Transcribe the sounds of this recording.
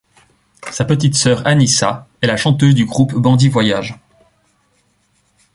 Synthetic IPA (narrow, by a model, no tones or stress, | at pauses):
sapət̪̬it̪sœːʁanisaɛlaʃɑ̃t̪øzd̪yɡʁupbɑ̃d̪ivwajaʒ